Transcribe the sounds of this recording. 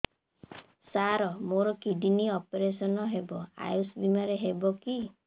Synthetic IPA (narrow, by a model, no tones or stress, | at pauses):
saɾɔmoɾɔkiɖiniɔpeɾesɔnɔɦebɔa̰jusbimaɾeɦebɔki